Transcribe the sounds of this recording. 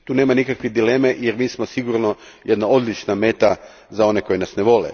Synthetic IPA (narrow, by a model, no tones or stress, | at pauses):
t̪uːne̞ːmanikakʋid̪ilemejeɾmiːsmosiɡuɾno̞ | je̞d̪nao̞d̪lit͡ʃname̞ːt̪a | zao̞neko̞jnasneʋo̞lḛ